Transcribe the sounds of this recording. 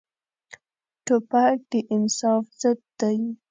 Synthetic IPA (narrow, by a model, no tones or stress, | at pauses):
ʈopak̚d̪̥əʔɪnsɑfz̥əd̪̚ːaj